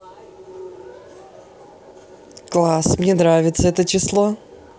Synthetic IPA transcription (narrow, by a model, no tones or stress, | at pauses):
klˠasmnʲenɾavʲɪt̪səɛt̪ət͡ɕɪslˠo